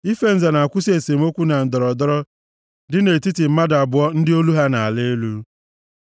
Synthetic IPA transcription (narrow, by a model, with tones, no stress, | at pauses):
i˦fe˦n̩˦za˨na˨a˨kʷʊ˦si˦e˨se˨m˦o˦kʷu˦na˨n̩˨dɔ˨ɾɔ˨dɔ˦ɾɔ˦ | dɪ˦ne˨ti˦tɪ˨m̩˦ma˦da˨bʊ˨ɔ˦n̩˦dɪ˦o˦lu˦ɦa˦na˨a˨le˦e˦lu˦